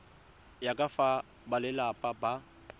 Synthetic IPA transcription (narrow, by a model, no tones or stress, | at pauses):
jakʼafa | balɪlapʼaba